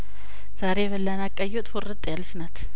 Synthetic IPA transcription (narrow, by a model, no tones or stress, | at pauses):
z̥aɾeβəlːanakʼːəjot̪ʼwoɾːɨt̪ʼːjalːʃnat̪ʰ